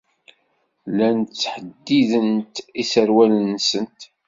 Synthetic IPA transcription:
lænt̪t͡sːħəd̪ːiðənt̪isəɾwælənːsənt̪

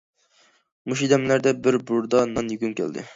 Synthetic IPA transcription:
muʃid̪ɛmlæɾd̪ɛbɪɾbuɾd̪ɑnɑnjyɡʲynkʲʰæ̰ld̪ɪ̰

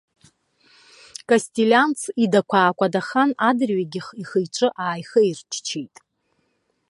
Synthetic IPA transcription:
kʼasʲtʲʼilʲant͡sʰidakʷʰaːkʷʼadaχanadrɥaɡʲɪχiχəjʈ͡ʂʷʼɨʔaːjχəirt͡ʃʰt͡ʃʰejtʼ

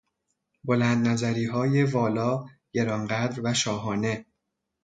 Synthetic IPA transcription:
bolænd̪̚næzæɾiːɦɒːje̞vɒːlɒːjeɾɒːnɢæd̪ɾvæʃɒːɦɒːne̞

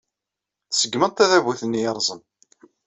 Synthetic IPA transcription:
θsəɡːmənt̪æðævuθənːijəɾˤzˤən

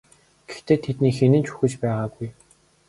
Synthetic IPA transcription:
ɡ̥e̥xt̪eːt̪ʰet̪niːxenɘ̆nt͡ɕu̥xɘ̆t͡ɕpæːʁaːɡuj

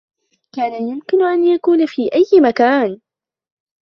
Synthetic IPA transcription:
kaːnajʊmkɪnʊʔanjakuːnafiːʔajːɪmakaːn

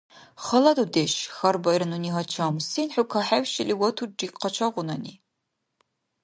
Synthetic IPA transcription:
χɐlɐdudeːʃxɐrbɐjɾɨnuniːɦɐt͡ʃʰɐmsinħʊkʰaħawʃɪliːwɐtʰudiːqɐt͡ʃʰɐʁʷʊnɐnḭː

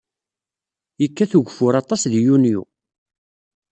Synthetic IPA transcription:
jəkːæθuʝfʊɾɑt̪ˤɑsðjunjṵ

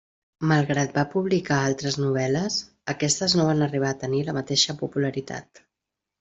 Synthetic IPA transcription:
məlˠɣɾat̪̚bapuβlikaalˠt̪ɾəznuβ̞ɛləs | əkɛst̪əznoβ̞anəriβ̞aːt̪əniləmət̪eʃəpupuləɾit̪a̰t̪

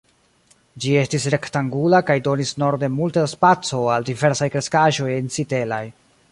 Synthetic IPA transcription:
d͡ʒie̞stisɾe̞ktaŋɡulakajdo̞nisno̞ɾde̞multaspat͡so̞aldive̞ɾsajkɾe̞skaʒo̞jensite̞laj

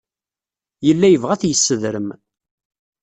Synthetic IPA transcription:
jəlːæjəvʁæθjəsːəðɾəm

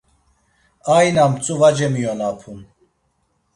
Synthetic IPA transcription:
ajnamt͡sʼuvad͡ʒɛmijɔnapʰun

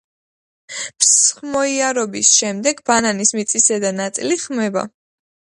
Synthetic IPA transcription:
psχmɔiaɾɔbisʃɛmd̪ɛɡbananismit̪sʼisɛd̪anat̪sʼiliχmɛba̰

